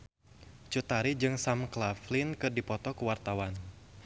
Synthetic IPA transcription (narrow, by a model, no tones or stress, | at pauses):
t͡ʃut̪aɾid͡ʒɨŋsamklaflinkɨrdipɔt̪ɔkuwart̪awan